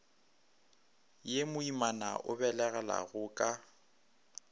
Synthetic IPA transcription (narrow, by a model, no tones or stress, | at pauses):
jemʊimanaʔʊ̰bɛlɛɣɛla̰ɣʊːkʼa